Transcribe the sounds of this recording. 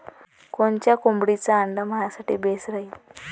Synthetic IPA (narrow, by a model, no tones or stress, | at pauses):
koɳt͡ɕjakombɽit͡saːɳd̪amajasaʈḭːbesɾaɦi